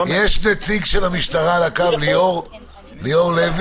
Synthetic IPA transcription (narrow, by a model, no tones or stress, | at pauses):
jeʃnet͡siɡʃelamiʃt̪aʁalakavlioʁ | lijoʁlev